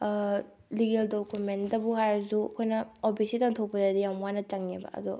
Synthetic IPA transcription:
liɡeldokumendɐbuɦaɾzuɐ̰kʰojnɐopʰisitaŋtʰok̚pɐdɐdijamwanɐt͡ʃɐŋnebɐ̰ɐ̰d̪u

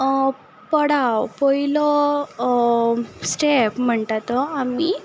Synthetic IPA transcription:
pəɽawpəilɔ | sʈepm̤əɳt̪at̪ɔami

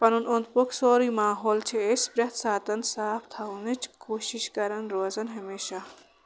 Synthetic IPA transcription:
pɐnunont̪poksoːɾimaːɦoːlt͡ʃʰeespɾɐt̪ʰsaːt̪ɐnsaːpʰt̪ʰaunɐt͡ʃʰkoːʃiʃkɐɾɐnɾoːzɐnɦɐmeːʃa

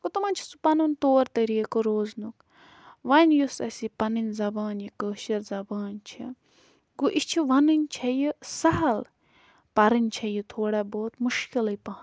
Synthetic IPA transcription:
ɡut̪ɐmɐnt͡ʃʰisu̥pɐnunt̪oːɾt̪ɐɾiːkɨɾoːznuk | ʋɐnjusɐ̰sipɐnɨnʲzɐbaːnjikəːʃɐɾzɐbaːnt͡ʃʰi | ɡuʔit͡ʃʰiʋɐnɨnʲt͡ʃʰɐjisɐɦɐl | pɐɾɨnʲt͡ʃʰɐjit̪ʰoːɽaboːt̪muʃkilɐjpɐɦɐn

